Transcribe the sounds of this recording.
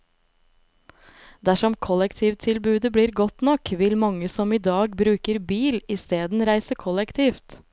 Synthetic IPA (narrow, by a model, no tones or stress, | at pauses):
d̪æʂɔmkʰɔlɛkt̪ʰiːʋt̪ʰɪlbʉːd̪əbɽiːɾɡɔt̪nɔkʋɪlmɑŋːəsɔmiːd̪ɑːɡbɾʉːkəɾbiːlɪst̪eːd̪n̩ɾæɪsəkʰɔlɛkt̪ʰiːft̪